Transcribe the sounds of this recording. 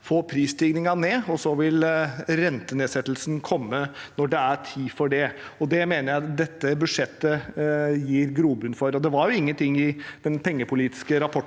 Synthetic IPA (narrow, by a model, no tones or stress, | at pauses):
foːpʰɾiːst̪ʰɪɡnɪŋɑneːɔsɔʋɪlɾɛnt̪əneːsɛt̪ːlsnkʰɔmːənɔɖɛæɾtʰiːfɔɖɛɔd̪ɛmeːnəɾjæɪd̪ɛt̪ːəbʉd̪ʂɛt̪ːəjiːɾɡɾuːbʉnfɔɾɔd̪ɛʋɑɾjʊɪŋːənt̪ʰɪŋːɪd̪̥ɛnpʰɛŋːəpʰʊliːt̪ɪ̥skəɾɑpʰɔʈ